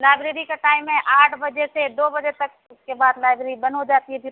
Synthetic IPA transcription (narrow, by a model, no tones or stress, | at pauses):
laːɪbɾeːɾikaʈaːɪmɦɛ̃ʔaːʈʰbɐd͡ʒesed̪oːbɐd͡ʒet̪ɐk | ʊskebaːd̪laːɪbɾeːɾibɐ̃nɦod͡ʒaːt̪iɦɛbʱɪɾ